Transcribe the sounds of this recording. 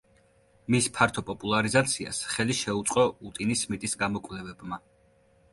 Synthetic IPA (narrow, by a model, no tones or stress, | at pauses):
mispʰaɾt̪ʰɔpʼɔpʼulˠaɾizat̪sʰia̰sχɛliʃɛut̪sʼqʼɔut̪ʼinismit̪ʼisɡamɔkʼvlɛvɛbma